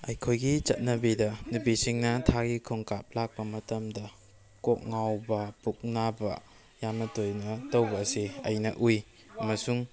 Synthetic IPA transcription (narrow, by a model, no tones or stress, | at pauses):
ɐjkʰojɡit͡ʃɐt̚nɐbidɐnupisiŋnɐtʰaɡikʰoŋkap̚lak̚pɐmɐtɐmdɐ | kok̚ŋawbɐpuk̚nabɐ̰ | jamnɐtojnɐtɐwbɐːsiɐ̰jnɐʔuj | ɐmɐsuŋ